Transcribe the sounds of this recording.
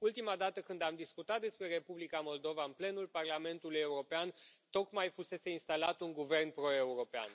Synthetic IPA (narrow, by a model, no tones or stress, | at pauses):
ult̪imad̪at̪əkɨnd̪amd̪iskut̪at̪̚d̪e̞spɾe̞ɾe̞publikamo̞ld̪o̞vaɨnple̞nulparlame̞nt̪uluje̞uɾo̞peant̪o̞kmajfuse̞se̞inst̪alat̪uŋɡuve̞rnpɾo̞e̞uɾo̞pea̰n